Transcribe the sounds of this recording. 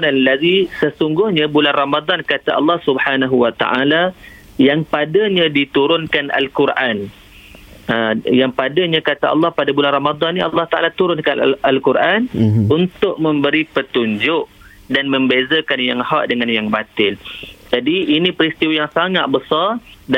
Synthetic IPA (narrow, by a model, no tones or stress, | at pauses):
nalːaðisəsuŋɡʊhɲãbulanramad̪ɑnkat̪aʔɑ̰lːɑhsubħanaɦuwat̪a̰ʔala | jaŋpadaɲadit̪uɾʊnkana̰lkuɾʔan | əjaŋpadaɲãkat̪aɑ̰lːɑhpadabulanramad̪ɑnːĩɑ̰lːɑht̪aʔa̰lat̪uɾʊnkanalkurʔanunt̪ʊʔ̚mə̃mbəɾipət̪uɲd͡ʒʊʔ | danmə̃mbezakanjaŋhaʔdəŋanjaŋbat̪ɪld͡ʒadiinipɾist̪iwajaŋsaŋaʔ̪̚bəsard